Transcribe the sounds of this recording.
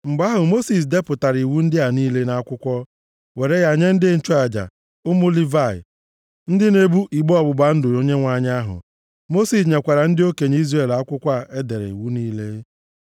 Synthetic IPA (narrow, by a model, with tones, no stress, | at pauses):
ŋ͡m̩˨ɡ͡ba˦ɦʊ˨mo˦si˨s̬de˦pʊ˨ta˨ɾi˨wu˦n̩˦dɪ˦a˨niː˦le˦na˦a˦kʷʊ˦kʷɔ˦ | we˨ɾe˦ja˨ɲe˦n̩˦dɪ˦n̩˦t͡ʃɔ˦a˨d͡ʒa̰˨ | ʊ˦mʊ˦li˦va˨ɪ̰˨ | n̩˦dɪ˦ne˦bu˦ʔi˨ɡ͡bɔ˦˨bʊ˨ɡ͡ba˨n̩˦dʊ˨o˦ɲe˦ŋʷa˨ɲ˦a˦ɦʊ̰˨ | mo˦si˨s̬ɲe˨kʷa˨ɾa˨n̩˦dɪ˦o˦ke˨ɲ˦i˦zre˨la˦kʷʊ˦kʷa˦˨ʔe˦de˨ɾḛ˨ḭ˨wu˦niː˦le˦